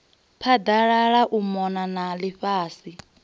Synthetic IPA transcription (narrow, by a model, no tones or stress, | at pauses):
pʰad̪aɺaɺaʔumɔnanaliɸaːsi